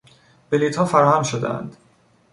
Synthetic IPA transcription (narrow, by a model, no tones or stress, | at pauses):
b̥eliːt̪hɒːfæɾɒːhæmʃod̪ḛʔæ̰nd̪̥